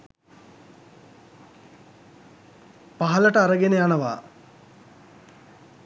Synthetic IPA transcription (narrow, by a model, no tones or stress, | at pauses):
paɦɐləʈəaɾəɡenejanəʋa̰ː